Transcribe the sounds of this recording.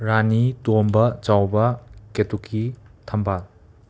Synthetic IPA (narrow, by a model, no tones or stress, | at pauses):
ɾanitombɐt͡ʃawbɐketukʰːitʰɐmbal